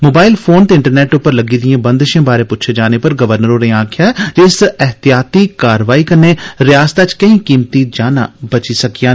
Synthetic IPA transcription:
moːbaːɪlpʰoːnt̪eɪ̃ɳʈəɾnɛːʈʊpːəɾləɡiːd̪ɪijãːbə̃nd̪ʃãːbaːɾeːpʊt̪ːt͡ʃʰed͡ʒaːnepəɾɡəʋəɾnəɾoːnẽãːkʰjaːɛd͡ʒɪsɛɦt̪ijaːt̪iːkaːɾʋaːiːkəɾneːɾɪjaːst̪at͡ʃkəɦĩːkiːmt̪id͡ʒaːna̰ːbət͡ʃisəkijãː

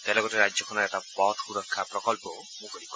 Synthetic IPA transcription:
t̪elɔɡɔʈeɾad͡ʒjɔkʰɔnɔɛt̪apɔʈkuɾɔkʰːapɾɔkɔlpɔ | mũkɔɾikɔ

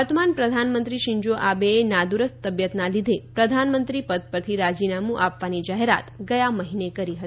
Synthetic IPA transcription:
əɾt̪əmanpɾəd̪ʱanmənt̪ɾiʃɪ̃ɲd͡ʒoʔabeenad̪uɾəst̪əbjət̪nalid̪ʱepɾəd̪ʱanmənt̪ɾipəd̪̚pəɾt̪ʰiɾad͡ʒinamũʔapʋanid͡ʒaɦeɾa̰t̪ɡəjaməɦinekəɾiɦət̪

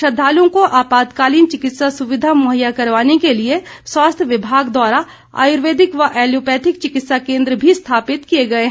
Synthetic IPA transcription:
ʃɐd̪ʱaːlõkoʔaːpaːd̪kaːliːnt͡ʃɪkɪt̪sasʊʋɪd̪ʱamoːɦəjakɐɾʋaːnekelieswaːst̪ʰjəʋɪbʱaːɡd̪waːɾa | a̰ːjʊɾʋeːd̪ɪkʋɐʔɛːljoːpɛːt̪ʰɪk̚t͡ʃɪkɪt̪sakẽːnd̪ɾəbʱist̪ʰaːpɪt̪kieɡɐeɦ

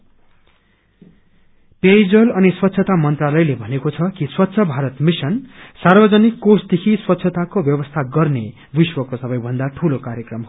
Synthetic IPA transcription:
pejd͡zʌlʌniswʌt̪ːsʰʌt̪amʌnt̪ralʌjlebʱʌnekot͡sʰʌkiswʌt̪ːsʰʌbʱaɾʌt̪misʌnsarbʌd͡zʌnikːosd̪ekʰiswʌt̪ːsʰʌt̪akobjʌbʌst̪ʰaɡʌrne | biswʌkosʌbʌjbʱʌnd̪aʈʰulokaɾjʌkrʌmɦo

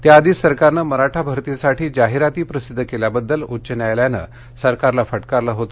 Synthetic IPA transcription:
t̪jaːd̪iːsəɾkaɾnəməɾaʈʰabʱəɾt̪isaʈʰiːd͡ʑaɦiɾat̪iːpɾəsid̪ʱːkeljabəd̪ːəlut͡ɕənjajljanə̰ | səɾkaɾlafəʈkaɾləɦot̪ə

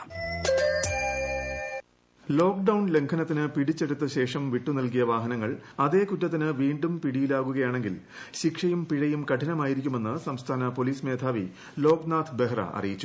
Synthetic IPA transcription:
lo̞ːk̚ɖɐwɳle̞ŋkʰɐnɐt̪ːinɨpiɽit͡ɕːe̞ɽut̪ːɨɕe̞ːʂɐmʋiʈːunilkijɐʋaːɦɐnɐŋːɐɭɐðe̞ːkutːɐt̪ːinɨʋiːɳɖumpiɽijilaːɣuɣɐjaːɳe̞ŋɡil | ɕikʂɐjumpiɻɐjumkɐʈʰinɐmaːjiɾikʲːume̞nːɨsɐmst̪ʰaːnɐpoliːsme̞ːd̪ʱʰaːʋi | lo̞ːknaːt̪ʰbe̞ɦrɐ̰ʔɐ̰rijit͡ɕːu̥

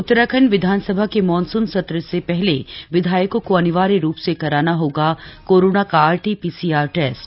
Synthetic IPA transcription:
ʊt̪ːɾəkʰənʋɪd̪ʱaːnsəbʱakemɔːnsʊnsɐt̪ɾəsepɛɦleʋɪd̪ʱaːjəkõkoɐnɪʋaːɾiɾuːpsekɐɾaːnaɦoːɡakoːɾoːnakaaːɾʈipiːsiːaːɾʈɛːsʈ

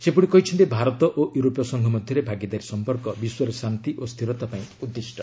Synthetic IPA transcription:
sepuɽikɔɦit͡ʃʰɔnt̪ibʱaɾɔt̪ɔʔoʔjuɾopjɔsɔŋɡʱɔmɔd̪ʱjɔɾebʱaɡid̪aɾisɔmpɔɾkɔbiswɔɾesant̪iʔost̪ʰiɾɔt̪apaĩud̪ːisʈɔ

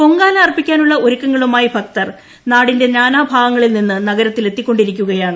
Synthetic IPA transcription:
ko̞ŋɡaːlɐrpikʲːaːnuɭːɐoɾukːɐŋːɐɭumaːjibʰʱɐk̚t̪ɐr | naːɽinde̞naːnaːbʱaːʋɐŋːɐɭilninːɨnɐɣɐɾɐt̪ːile̞t̪ːikʲːo̞ɳɖiɾikʲːuɣɐjaːɳɨ

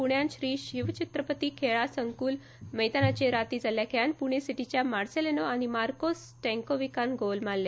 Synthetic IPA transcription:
puɳjanɕɾiːɕiʋt͡ɕit̪ɾəpət̪iːkʰeɭasəŋkuːl | məjt̪anat͡ɕeɾat̪iːd͡zʱaljakʰeanpuɳ̃esiʈit͡ɕjamaɾselenoañimaɾkos | ʈɛ̃ŋkoʋikanɡolmalːe

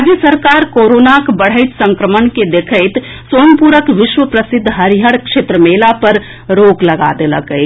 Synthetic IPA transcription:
d͡ʒjəsəɾkaɾkoɾonakbəɽ̤əɪt̪sə̃ŋkɾəmənked̪ekʰəɪt̪ | soːnpuɾəkʋɪʃwʋəpɾəsɪd̪ʱːɦəɾiɦəɽkʃet̪ɾəmelapəɾ | ɾoːɡləɡa̰d̪eləkə

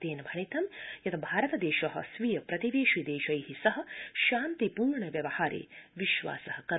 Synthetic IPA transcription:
t̪eːnɐbʱɐɳit̪ɐmjɐt̪ʰɐbʱaːɾɐt̪ɐd̪eːʃɐɦɐ̰sʋijɐpɾɐt̪iʋeːʃid̪eːʃɐjhisɐɦɐ̆ʃaːnt̪ipuːɾɳɐʋjɐʋɐhaːɾḛːʋiʃʋa̰ːsɐhɐkɐɾ

